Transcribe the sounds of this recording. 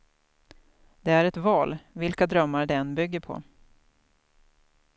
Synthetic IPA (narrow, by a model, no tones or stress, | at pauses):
d̪ɛæɾɛt̪vɑːlvɪlkad̪ɾœmːaɾɖɛɛnbʏɡːəpʰɔ̰